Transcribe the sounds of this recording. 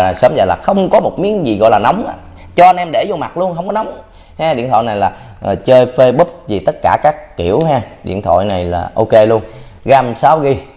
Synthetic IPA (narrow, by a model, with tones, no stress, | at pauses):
a˨˩səː˨˦mzəː˨˩jlaː˨˩xə˧wŋ͡mkɔ˨˦mo˨˩t̚mi˨˦əŋzi˨˩ɣɔ̰˧˨jlaː˨˩nɔ˨˦wŋ͡mʔa˨˧˦ | t͡ɕɔ˧ʔa˧nʔɛ˧mɗe˧˩zo˧ma˨˩t̚lu˧ənxə˧wŋ͡mkɔ˨˦nɔ˨˦wŋ͡m | hɛ˧ɗḭ˧˨nt̪ʰwɔ̰˧˨jna˨˩jlaː˨˩ | ʔːt͡ɕəː˧jfe˧ɓɨ˦˥p̚zi˨˩t̪ə˦˥t̚kaː˧˩kaː˦˥kːi˧˩əwɦɛ˧ɗḭ˧˨ənt̪ʰɔ̰˧˨jna˨˩jla̰ː˨˩ʔo˧ke˧lu˧ən | ɣaː˧msaː˨˧˦wɣi˧